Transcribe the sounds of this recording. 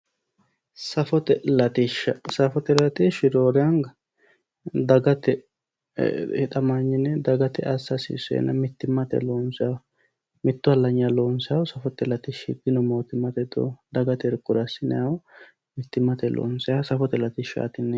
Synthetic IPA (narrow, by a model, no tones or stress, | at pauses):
sɐfɔt̪ɛlɐt̪iʃɐsɐfɔt̪ɛlɐt̪iʃɪd̪oːɾɛjɐŋɡɐ | d̪ɐɡɐt̪ɛ | ɪt̪ɐmaɲːɪnɛd̪ɐɡɐt̪ɛɐsːɐsḭːsɛ̰nːɐmɪt̪ːɪmːɐt̪ɛ̰loːnsa | mɪt̪ːʊhɐlːɐɲːɐloːnsjawsɐfɔt̪ːɛlɐt̪ɪʃɪd̪ɪnɔmo̞ːt̪ɪmːɐt̪ɛd̪o̰d̪ɐɡɐt̪ɛɾkʼːʊɾɐsɪnɛjaw | mɪt̪ːɪmːɐt̪ɛlo̰ːnsɛjasɐfɔt̪ɛlɐt̪iʃa̰ːt̪ɪnːɛ